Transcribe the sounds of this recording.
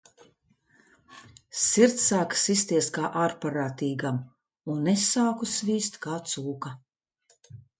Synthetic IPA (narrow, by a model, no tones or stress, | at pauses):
siɾt̪saːksist̪iɛskaːʔaːɾpaɾaːt̪iːɡam | unːesaːkusviːst̪kaːt̪suːka